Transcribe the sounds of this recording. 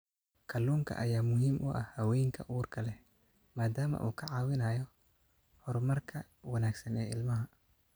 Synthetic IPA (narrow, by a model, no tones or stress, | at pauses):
kʰɐluːŋkʰɐ̰ʔɐjaːmʊɦiːmʔʊʔɐ̰hhɐwɛːjŋkʰɐ̰ʔuːrkʰɐlɛ | maːd̪aːmɐ̰ʔṵːkʰɐʕɑːwɪnaːjɔ | hɔrmɐrkʰɐ | wɐnaːɡsɐnɛːʔɪlmɐɦɐ